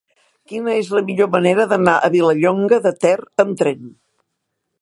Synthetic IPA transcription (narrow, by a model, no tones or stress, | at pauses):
kinəezləmiʎoməneɾəðənaʔəβiləʎoŋɡəðət̪ɛrəmt̪ɾɛn